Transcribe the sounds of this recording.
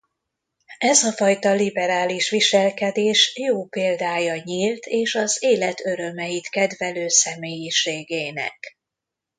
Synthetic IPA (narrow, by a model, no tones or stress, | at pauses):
ɛzɒfɒjt̪ɒlibɛɾaːliʃʋiʃɛlkɛd̪eːʃjoːpeːld̪aːjɒɲilt̪ʰeːʃɒzeːlɛt̪ʰøɾø̞mɛjit̪kɛd̪ʋɛløːsɛmeːjiʃeːɡeːnɛ̰k